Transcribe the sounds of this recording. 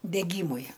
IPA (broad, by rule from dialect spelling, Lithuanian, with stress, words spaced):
dʲɛˈɡʲiːmʊɪ